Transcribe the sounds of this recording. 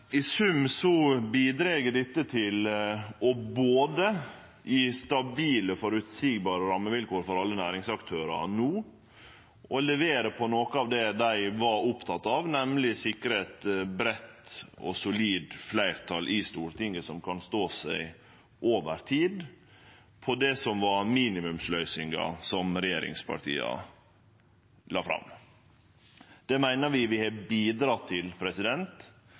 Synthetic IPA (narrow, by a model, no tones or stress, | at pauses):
ɪsʉmsɔbiːd̪ɾeɡəɖɪt̪ːət̪ʰɪlɔboːd̪ə | ʔɪst̪ɑbiːləfɔɾʉt̪siːɡbɑːɾəɾɑmːəʋɪlkoːɾfɔɾɑlːənæːɾɪŋsɑkt̪ʰøːɾə̰nuː | ɔlɛʋeːɾəpʰɔnoːkəɑːʋd̪ɛd̪æɪʋɑɾʊpt̪ʰɑt̪ːɑʋnɛmlɪsɪkːəɾet̪bɾɛt̪ɔ̰sʊliːd̪flæɪɾt̪ʰɑlʔɪst̪uːɾt̪ɪŋːəsɔmkʰɑnst̪oːsæɪ | ʔoːʋəɾt̪ʰiːd̪ | pʰɔd̪ɛsɔmʋɑɾmiːnɪmʉmslœʏsɪŋɡɑ̰sɔmɾɛjeːɾɪ̰ŋspʰɑ̰ʈ̪ʰḭːɑ̰ | lɑ̰ːfɾɑ̰m | d̪̥ɛmæɪnəɾʋɪʋɪhɛbiːd̪ɾɑːt̪ʰɪlpʰɾɛsɪd̪ɛnt̪